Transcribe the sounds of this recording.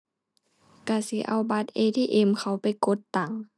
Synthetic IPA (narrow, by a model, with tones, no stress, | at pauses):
ka˧˩si˧˦ʔa˧˩wba˧˥t̪̚ʔeː˧t̪ʰiː˧˨ʔe˧˨mkʰa˧˩wpa˧˨jko˧˦t̪ːa˨˩ŋ